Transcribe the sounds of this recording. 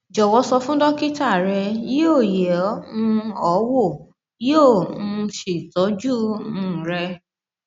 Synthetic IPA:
d͡ʒɔ˨wɔ˧sɔ˧fũ˦dɔ˦ki˦ta˦˨ɾɛ˧ji˦o˦˨jɛ˨ɔ˦ũ˧˦ɔ˨˦wo˦˨˦ | õ˦˨˧ʃe˨tɔ˨˦d͡ʒu˦nũ˦˨ɾɛ˧

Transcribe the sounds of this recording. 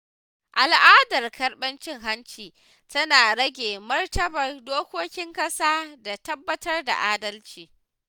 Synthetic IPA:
ʔa˨lʔaː˦dɐ˨rkɐ˨rɓɐ˦nt͡ʃɪ˦ŋɦa˦nt͡ʃiː˨ | tɐ˦naː˨ɽɐ˦ɡʲeː˨mɐ˦rtɐ˦bɐ˨rdoː˦kʷoː˦kʲɪ˦ŋkʼɐ˦saː˦da˨tɐ˦bːɐ˦tɐ˦rda̰˨ʔaː˦dɐ˦lt͡ʃiː˨

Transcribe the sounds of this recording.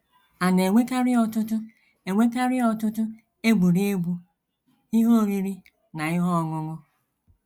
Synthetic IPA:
a˨ne˨ŋʷe˦ka˦ɾɪ˦ɔ˨tʊ˦tʊ˦ | e˨ŋʷe˦ka˦ɾɪ˦ɔ˨tʊ˦tʊ˦ | e˦ɡ͡bu˨ɾi˦e˦ɡ͡bu˦ | i˦ɦo˦o˦˨ɾi˦ɾi˦ | na˨ɪ˦ɦɔ˦ɔ˨ŋʊ˦ŋʊ˦

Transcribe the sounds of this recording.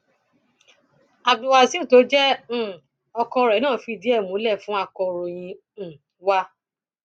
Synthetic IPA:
a˧bdu˧wa˧si˦u˦˨to˨˦d͡ʒɛ̃˦˨ | ɔ˧kɔ̃˧ɾɛ˨˦nãː˦˨fi˧˨di˨˦ɛ˦˨mũ˨˦lɛ˦˨fũ˨˦a˧˨kɔ̃˧ɾo˨j̃ĩ˧˨ | wa˦

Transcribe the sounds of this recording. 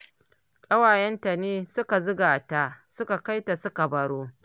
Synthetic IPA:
kʼɐ˦waː˨jɛ˦nta˨neː˦sʊ˦ka˨zʊ˦ɡaː˨taː˦sʊ˦ka˨ka˦jta˨sʊ˦ka˨bɐ˨ɽoː˦

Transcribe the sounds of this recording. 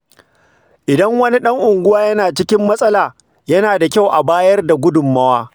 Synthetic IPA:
ʔɪ˨dɐ˦ŋwɐ˦ni˦ɗɐ˦ŋʔʊ˨ŋɡʷʊ˦waː˦jɐ˦naː˨t͡ʃɪ˦kʲɪ˦mːɐ˦sʼɐ˦laː˨ | jɐ˦naː˨da˨kʲa˦wʔa˨baː˦jɐ˦rda˨ɡʷʊ˦dʊ˨mːɐ˦waː˦

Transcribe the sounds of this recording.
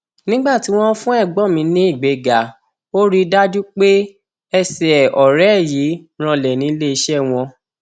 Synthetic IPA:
nĩ˦ɡ͡ba˦˨ti˨˦w̃ɔ̃˦fũ˦ɛ˦˨ɡ͡bɔ˦˨mĩ˧nĩ˦i˦˨ɡ͡be˨˦ɡa˨˦ | o˦ɾi˦da˦d͡ʒu˦k͡pe˦ | ɛ˧sɛ˨ɔ˨ɾɛ˨˦˨ji˨˦ɾ̃ã˧lɛ˨nĩ˨˦le˦i˧ʃɛ˦w̃ɔ̃˧

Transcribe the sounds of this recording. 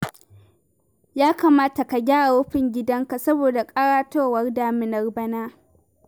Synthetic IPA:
jaː˦kaː˨maː˦ta˨ka˨ɡʲaː˦a˨wʊ˦ɸɪ˨ŋɡʲɪ˦dɐ˦ŋka˨sɐ˦boː˨da˨kʼɐ˦ɽaː˦toː˦˨wɐ˦rdaː˨mɪ˦nɐ˨rbɐ˦naː˦

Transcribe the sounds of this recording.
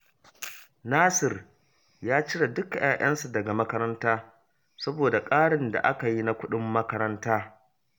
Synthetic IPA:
naː˦sɪ˨r | jaː˦t͡ʃɪ˦ɽa˨dʊ˦kjaː˨ʔɐ̰˦nsu˨dɐ˨ɡa˨mɐ˦kɐ˦ɾɐ˦ntaː˦ | sɐ˦boː˨da˨kʼaː˦ɽɪ˨nda̰˨ʔa˦ka˨ji˦na˦kʷʊ˦ɗɪ˦mːɐ˦kɐ˦ɾɐ˦ntaː˦

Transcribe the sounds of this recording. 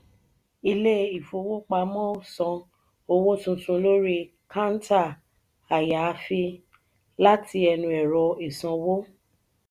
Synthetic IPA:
i˧le˦i˨fo˨˧wo˦k͡pa˧˦mɔ̃˦o˨sɔ̃˧ | o˧wo˦tũ˧tũ˧lo˦ɾi˦ | kã˦n˦ta˦˨ | a˨ja˨˧fi˧ | la˦ti˧ɛ˧nũ˧ɛ˨ɾɔ˧i˨sɔ̃˧wo˦

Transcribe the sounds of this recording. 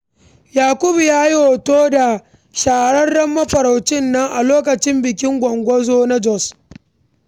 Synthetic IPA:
jaː˨kʷʊ˦bjaː˦ji˦ho˨toː˦da˨ | ʃaː˨ɽɐ˦rɽɐ˦mːɐ˦ɸɐ˨ɾa˨wt͡ʃɪ˦nːɐ˦ŋʔa̰˨loː˦kɐ˨t͡ʃɪ˦mbɪ˨kʲɪ˦ŋɡʷɐ˨ŋɡʷɔ˦zoː˦na˦d͡ʒɔ˦˨s

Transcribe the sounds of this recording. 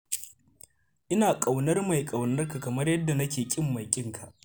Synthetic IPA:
ʔɪ˦naː˨kʼa˨wnɐ˦rma˨jkʼa˨wnɐ˦rka˨kɐ˨mɐ˦rjɐ˦dːa˨nɐ˦kʲeː˨kʲʼɪ˦mːɐ˨jkʲʼɪ˦ŋkʰa˨ʔ

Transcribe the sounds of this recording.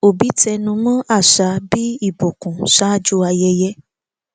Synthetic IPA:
o˨bi˨˦tɛ˧nũ˧mɔ̃˦ʔa˦˨ʃa˨˦bi˦i˦˨bo˨kũ˨ʃa˦d͡ʒu˦a˧jɛ˧jɛ˦

